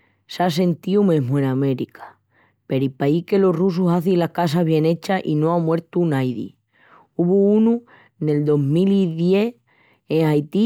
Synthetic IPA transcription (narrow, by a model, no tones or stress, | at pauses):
sas̬e̞nt̪iumẽ̞ɦmue̞name̞ɾikʰḁ | pe̞ɾipaike̞lo̞rus̬usaθilahkas̬aβ̞je̞ne̞t͡ʃaʔinoamwe̞ɾt̪unajðḭ | uβuunu | ne̞ld̪o̞ɦmiliðje̞ | eŋajt̪i